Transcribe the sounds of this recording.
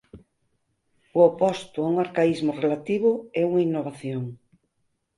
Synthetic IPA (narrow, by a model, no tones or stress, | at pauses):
ʊopɔst̪ʊauŋaɾkaizmʊrelat̪iβ̞ʊɛuŋainːoβaθjoŋ